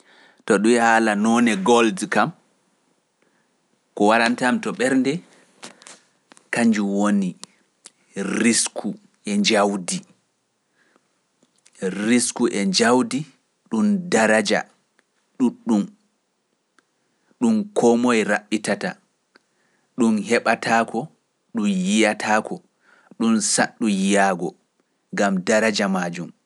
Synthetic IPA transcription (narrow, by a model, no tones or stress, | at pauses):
tɔɗuhaːlanɔnɛɡɔldkam | kɔwaɾantamtɔɓɛɾndɛ | kaɲd͡ʒuwoni | ɾiskʰu | ʔɛɲd͡ʒawdi | riskuʔɛɲd͡ʒawdi | ɗundaɾad͡ʒa̰ | ɗuɗːum | ɗumkʰɔmɔjɾaɓːitata | ɗunɦɛɓatʰakʰɔ | ɗumjijatʰaːkɔ | ɗunsaɗːujijaɡɔ | ŋɡamdaɾad͡ʒamad͡ʒum